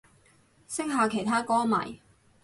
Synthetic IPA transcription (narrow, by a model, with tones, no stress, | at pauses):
sɪ˥ŋ̚ɦaː˨˧kʰe˨˩jt̪ʰaː˥kɔː˥ma̰ː˨˩j